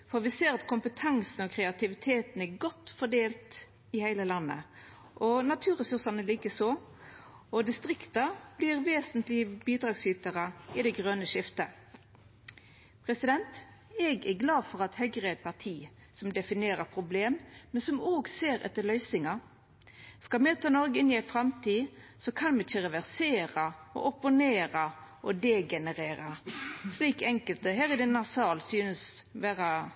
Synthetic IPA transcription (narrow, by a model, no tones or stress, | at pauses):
fɔʁʋɪseːɾɑt̪kʰʊmpət̪ʰɑŋsn̩ɔkʰɾɛɑt̪ɪʋɪt̪ʰeːt̪næɡɔt̪fɔd̪eːlt̪ | ɪhæɪləlɑnːə̰ | ʔɔnɑt̪ʰʉːʁɛsʉʁsɑnəliːkəsoː | ɔd̪ɪst̪ʁɪkt̪ɑb̥liːʁʋeːsənt̪lɪbiːd̪ʁɑːɡsyːt̪əʁəɪd̪ɛɡʁøːnəʃɪft̪ə | pʰʁɛsɪd̪ɛnt̪ | ɛɡɛɡlɑːfɔʁɑt̪hœɡʁəæɛt̪̚pʰɑʁt̪ʰiː | sɔmd̪ɛfɪneːʁəpʰʁʊbleːmmɛnsɔmoːɡseːɾɛ̰t̪ːəlœʏsɪŋɑ | skɑlmeːt̪ʰɑːnɔɾɡəɪnɪæɪfʁɑmt̪ʰiːsɔkʰɑnmɛɪçːəʁɛʋæʁseːʁɑɔ̰ʔɔpʊneːɾɑʔɔd̪eɡɛnəʁeːʁɑsliːkɛŋkəlt̪əɦæːʁɪd̪ɛnɑsɑːlsyːnəsʋæːʁɑ